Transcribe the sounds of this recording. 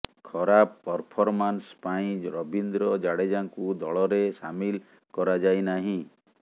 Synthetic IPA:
kʰɔɾappːɔɾpʰɔɾmanspaĩd͡ʒɾɔbind̪ɾɔd͡ʒaɽed͡ʒaŋkud̪ɔɭɔɾesamil | kɔɾad͡ʒajnaɦĩ

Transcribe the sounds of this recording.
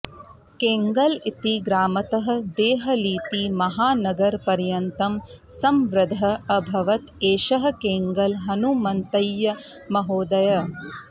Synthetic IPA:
keːŋɡɐlit̪iɡɾaːmɐt̪ɐɦɐ̆d̪eːɦɐliːt̪imɐɦaːnɐɡɐɾpɐɾjɐnt̪ɐmsɐmʋɾɐd̪ʱɐɐbʱɐʋɐt̪eːʃɐɦɐ̆keːŋɡɐlɦɐnumɐnt̪ɐjːɐ | mɐɦoːd̪ɐjɐ

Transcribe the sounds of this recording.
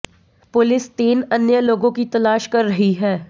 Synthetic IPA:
pʊlɪst̪iːnɐnjəloːɡõkit̪ɐlaːʃkɐɾːɐɦiɦɛː

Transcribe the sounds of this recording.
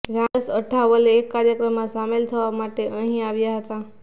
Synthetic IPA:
ɡãəsəʈʰːaʋəleːkːaɾjəkɾəmːãsamelt̪ʰəʋamaʈeʔəɦĩaʋjaɦət̪a

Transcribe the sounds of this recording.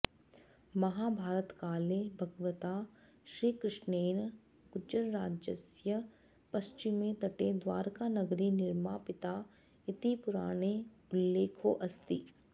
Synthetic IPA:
mɐɦaːbʱaːɾət̪kaːlebʱɐɡʋət̪a | ʃɾiːkɾɪʃneːn | ɡʊd͡ʒəɾɾaːd͡ʒə̰sjə | pɐst͡ʃɪmẽt̪ɐʈed̪ʋaːɾkanɐɡɾinɪɾmaːpɪt̪a | ɪt̪ipʊɾaːɽ̃e | ʊlːeːkʰoʔɐst̪iː

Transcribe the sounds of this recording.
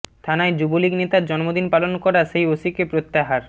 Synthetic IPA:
t̪ʰanaed͡ʑuboliɡnet̪aɾd͡ʑɔnmod̪inpalonkɔɾaʃejosikepɾot̪ːaɦaɾ

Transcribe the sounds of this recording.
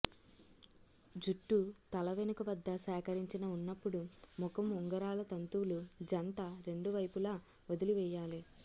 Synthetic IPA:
d͡ʒuʈːut̪ɐlɐʋenukɐʋɐd̪ːɐsɛːkɐɾiɲt͡ʃinɐunːɐpːuɽumɔkɐmuŋɡɐɾaːlɐt̪ɐnt̪uwlud͡ʒɐɳʈɐɾe̞ɳɖuʋɐjpulaː | od̪iliʋɛːjːaːli

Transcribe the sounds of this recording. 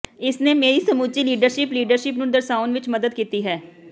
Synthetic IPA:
ɪsneːmeːɾiːsəmuːt͡ʃiːliːɖəɾʃɪpliːɖəɾʃɪpnũːd̪əɾsaːʊnʋɪt͡ʃməd̪əd̪̚kiːt̪iːɦɛː

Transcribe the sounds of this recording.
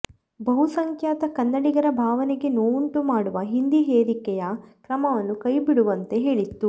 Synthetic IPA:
bɐɦusɐŋkʰjaːt̪ɐkɐnːɐɽiɡɐɾɐbʱaːʋɐneɡe̞noːuɳʈumaːɽuʋɐɦind̪iɦeːɾikɛjɐkɾɐmɐʋɐnːukɐjbiɽuʋɐnt̪e̞ɦeːɭit̪ːu

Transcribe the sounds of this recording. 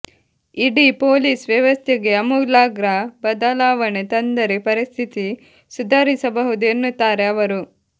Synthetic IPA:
iɽipoːliːsʋjɐʋɐst̪ʰeɡe̞ɐmuɡlaːɡɾabɐd̪ɐlaːʋɐɳet̪ɐnd̪ɐɾepɐɾist̪ʰit̪i | sud̪ʱaːɾisɐbɐɦud̪uenːut̪ːaːɾe̞ɐʋɐɾu

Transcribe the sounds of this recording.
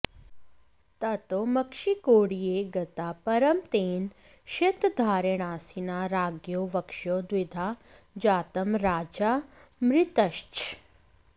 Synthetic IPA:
t̪ɐt̪omɐkʃikoːɽijeːɡɐt̪aːpɐɾɐmt̪eːn | ʃet̪d̪ʱaːɾeɽ̃aːsinaːɾaːɡjoːʋɐkʃoːd̪ʋɪd̪ʱaː | d͡ʒaːt̪ɐmɾaːd͡ʒaːmɾɪt̪ɐʃt͡ʃ

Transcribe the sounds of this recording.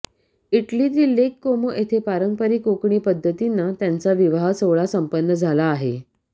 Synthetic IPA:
iʈliːt̪iːlekːomoʔet̪ʰepaɾəŋkpəɾiːkokɳiːpəd̪ʱːət̪inːat̪jant͡saʋiʋaɦsoʋɭasəmpənːəd͡zʱalaːɦe

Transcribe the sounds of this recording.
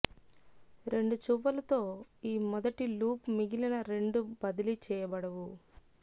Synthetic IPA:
ɾe̞ɳɖut͡ʃuʋːɐlɐt̪o̞ːiːmɔd̪ɐʈiluːpmiɡilɐnɐɾe̞ɳɖubɐd̪ɐlit͡ʃɛːjɐbɐɽɐʋu

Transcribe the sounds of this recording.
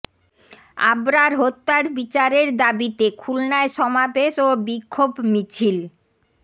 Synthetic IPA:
a̰bɾaɾɦot̪ːaɾbit͡ɕaɾeɾd̪abit̪ekʰulnaeʃɔmabeʃobikʰːobmit͡ɕʰil

